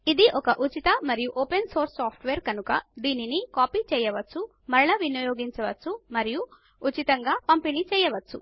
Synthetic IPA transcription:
id̪iʔɔkɐʔut͡ʃit̪ɐmɐɾijuʔoːpenso̞ːɾsːaːpʰʈʰʋeːɾkɐnukɐd̪iːninikaːpiːt͡ʃɛːjɐʋɐt͡ʃːu | mɐɾɭɐʋinɐjoːɡiɲt͡ʃɐʋɐt͡sːumɐɾiju | ut͡ʃit̪ɐŋɡaːpɐmpenit͡ʃɛːjɐʋɐt͡ʃːṵ

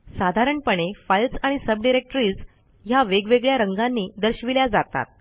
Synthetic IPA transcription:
sad̪ʱaɾəɳpəɳ̃efajlsaɽ̃isəbɖiɾek̚ʈəɾiːd͡z | jaʋeɡʋeɡɭjaɾəŋɡanːiːd̪əɾɕʋiljad͡zat̪a̰t̪̚

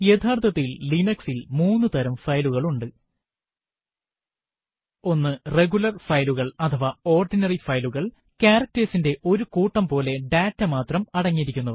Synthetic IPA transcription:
jet̪ʰaːrt̪ʰɐt̪ːilːinɐksilmuːnːɨt̪ɐɾɐmfɐjluɣɐɭuɳɖɨ | o̞nːɨre̞ɣulɐrfɐjluɣɐɭɐt̪ʰɐʋao̞ːrɖinɐrifɐjluɣɐɭ | kaːrɐk̚tesinde̞ʔo̞ɾukuːʈːɐmpo̞ːle̞ɖaːtːɐmaːt̪rɐmɐɽɐŋːiɾikʲːunːɐ

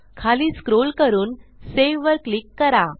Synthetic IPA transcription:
kʰaliːskɾolkəɾuːnseʋʋəɾklikːəɾa

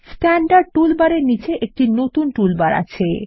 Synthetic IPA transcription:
sʈɛɳɖaɖ̚ʈulbaɾeɾnit͡ɕeʔek̚ʈinot̪unʈulbaɾa̰t͡ɕʰe

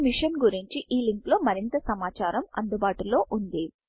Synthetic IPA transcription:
miʂɐnɡuɾiɲt͡ʃiʔiːliŋklo̞ːmɐɾint̪ɐsɐmaːt͡ʃaːɾɐmɐ̰nd̪ubaːʈulo̞ːʔund̪i

